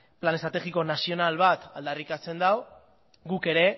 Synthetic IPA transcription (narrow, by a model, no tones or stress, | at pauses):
plane̞st̪ɾat̪e̞ɣiko̞nasio̞nalβat̪ald̪arikat͡se̞nd̪aw | ɡuke̞ɾe̞